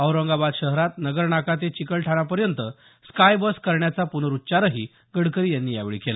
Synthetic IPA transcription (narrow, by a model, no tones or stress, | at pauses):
əwɾəŋɡabad̪ɕəɦɾat̪nəɡəɾɳakat̪̬et͡ɕikəɭʈʰaɽ̃apəɾjənt̪ə | skajbəskəɾɳjat͡sapunəɾutːt͡ɕaɾəɦiː | ɡəɽkəɾiːjanːiːja̰ʋeɭḭkela̰